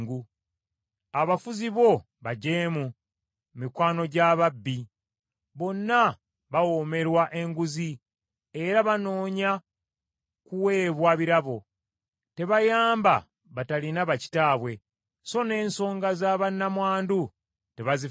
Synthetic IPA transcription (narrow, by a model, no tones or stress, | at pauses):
ɡu | aβafuziβo̞ | βaɟeːmu | mikwaːno̞ɟaβabːi | βo̞nːa | βawo̞me̞ɾwaʔe̞ŋɡuzi | e̞ɾaβano̞ːɲa | kuwe̞ːβwaβiɾaβo̞ | te̞βajaːmba̰ | βatalinaβaci̥taːβwe̞ | so̞ne̞ːnso̞ːŋɡazaβanːamwaːndu | te̞βazi